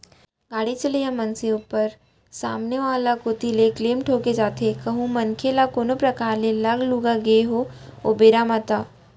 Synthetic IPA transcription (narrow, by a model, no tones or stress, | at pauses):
ɡaːɽit͡ʃəlijamɐnseʊpəɾ | sa̰ːmneʋaːlakot̪ilekleːmʈʰoːked͡ʒaːt̪ʰekɐɦũmɐnkʰelakoːnopɾɐkaːɾlelɐɡluɡaɡeɦoobeːɾaːmat̪aː